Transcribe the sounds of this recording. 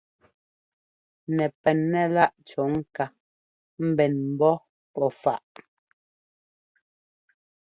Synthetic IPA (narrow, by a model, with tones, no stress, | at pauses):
nɛ˨pɛ˨nːɛ˦˨la˦ʔt͡ʃɔ˨˦ŋ̩˦ka˨ | m̩˦bɛ˨nm̩˨bɔ˦ | pɔ˦˨fa˦˨ʔ